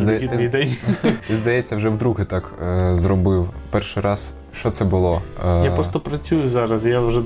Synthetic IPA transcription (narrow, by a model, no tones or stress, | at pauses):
zɐit̪ɪitd̪ɛnʲt̪ɪzd̪ɐjɛt͡sʲːɐwʒɛwd̪ɾuɦɪt̪ɑkzrɔbɪwpɛrʃɪɾɑz | ʃt͡ʃɔt̪sɛbʊlˠɔjaɾɔst̪ɔpɾɐt͡sʲujʊzɑɾɐzɪjaʒɛ